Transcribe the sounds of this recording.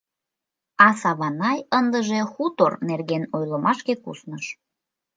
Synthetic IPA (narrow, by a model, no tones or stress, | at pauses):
ɑsɑβɑnɑjənd̪əʒexut̪ornerɣenojləmɑʃkekṵsnəʃ